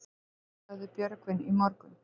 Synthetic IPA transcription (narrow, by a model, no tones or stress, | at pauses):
aðʏpjœɾkvɪnimɔɾkʏn